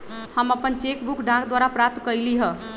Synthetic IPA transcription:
həməpənt͡ʃekbukʰɖʱãɡd̪waɾapɾap̚t̪kəjliɦə̃

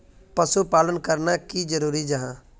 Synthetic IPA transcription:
pəsupaːlənkəɾnakiːd͡ʒəɾuːɾid͡ʒəɦãː

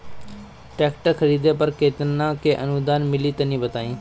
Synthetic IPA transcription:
ʈɛːkʈəɾxʰɐɾiːd̪epɐɾkeːt̪ənãːkeːʔɐnud̪aːnmɪliːt̪ɐnĩːbət̪aːĩː

